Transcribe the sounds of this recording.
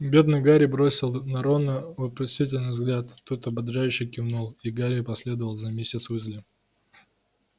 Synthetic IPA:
bʲe̞d̪nɨjɡaɾʲɪbɾo̞sʲɪlˠnɐɾo̞nːəvəpɾʲɪsʲitʲɪlʲnɨjvzɡlʲat̪t̪ːot̪ɐbɐd̪ʐajʏɕːɪkʲɪvnulˠiɡaɾʲɪpɐsʲlʲe̞d̪əvəlˠzɐmʲesʲɪt̪svɨzʲlʲɪ

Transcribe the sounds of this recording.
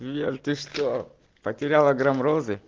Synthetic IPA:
erʲt̪ɨʂt̪o | pɐtʲɪɾʲalˠɐɡɾɐmɾozɨ

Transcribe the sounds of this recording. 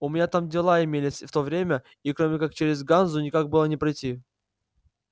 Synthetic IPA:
ʊmʲɪnʲat̪amdʲɪlˠaɪmʲelʲɪsʲft̪o̞vɾʲemʲə | ikɾomʲɪkak̚t͡ɕeɾʲɪzɡanzʊnʲɪkaɡ̚bɨlˠənʲɪpɾɐjtʲi

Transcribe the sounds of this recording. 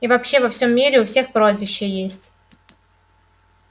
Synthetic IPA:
ivɐpɕːevɐfsʲo̞mːʲiɾʲɪʊfsʲe̞xpɾozvʲɪɕːɪjəjesʲtʲ

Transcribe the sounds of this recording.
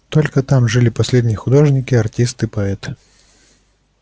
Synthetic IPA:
t̪olʲkət̪amʐɨlʲɪpɐsʲlʲedʲnʲɪjəxʊd̪o̞ʐnʲɪkʲɪɐrtʲist̪ɨpɐɛt̪ɨ̥

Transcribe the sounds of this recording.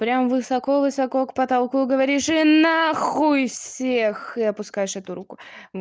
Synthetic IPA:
pɾʲamvɨsɐko̞vɨsɐkokpət̪ɐlˠkuɡəvɐɾʲiʂɨnaxujfssʲexɨɐpʊskajɪʂɛt̪ʊɾukʊ

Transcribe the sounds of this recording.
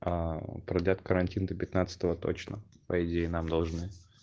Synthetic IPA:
apɾɐd̪lʲat̪kəɾɐnʲtʲind̪ʲəpʲɪt̪nat̪sə̥t̪əvət̪o̰t͡ɕnə̰pəɪdʲejɪnamd̪ɐlˠʐnɨ

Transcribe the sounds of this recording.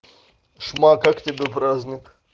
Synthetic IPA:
ʂmakakt̪ʲebʲepɾaːzʲnʲik

